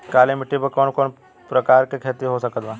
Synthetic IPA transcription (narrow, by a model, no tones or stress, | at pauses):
kaːlemɪʈːibɐkɔːnkɔːn | pɾɐkaːɾkekʰeːt̪iɦosɐkət̪ʋã